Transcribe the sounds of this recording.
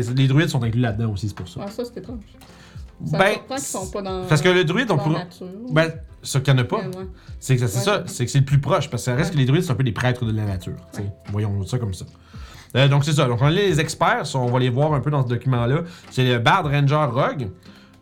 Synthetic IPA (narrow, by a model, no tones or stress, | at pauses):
sled̪ʁɥɪt̪sɔ̃t̪ɛ̃klylad̪̚ːɑ̃osise̥puʁsɔ̰t̪et̪ɑ̃ | bɛ̃ | pasəkələd̪ʁɥɪt̪ɔ̃puʁbɛ̃sɔkjɑ̃nʌpʌsesesʌsekəsɛləplypχɔʃpaʁsə̥ksaʁɛskəled̪ʁɥɪt̪st̪ɛ̃p̬ød̪epχɛːt̪χəd̪əlanat̪y̰ːʁt͡sevwajɔ̃sɔkɔmsʌ | əd̪ɔ̃kses̬ɔd̪ɔ̃kɔ̃nlelezɛkspɛːʁsɔ̃ɔ̃valevwɑːʁœ̃pød̪ɑ̃səd̪ɔkʲymɑ̃lʌseləbaʁd̪ʁɛ̃nʒɛʁːɔɡ